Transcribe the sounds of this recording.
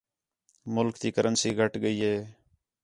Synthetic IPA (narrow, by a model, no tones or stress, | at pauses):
mʊlkt̪iːkəɾʔənsiːɡʱəʈɡəiːɦeː